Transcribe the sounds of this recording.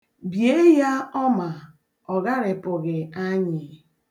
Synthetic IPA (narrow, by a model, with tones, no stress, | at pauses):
bje˦ja˦ɔ˦ma˨ | ɔ˨ɣa˦ɾɪ˨pʊ˨ɣɪ˨a˦ɲɪ˨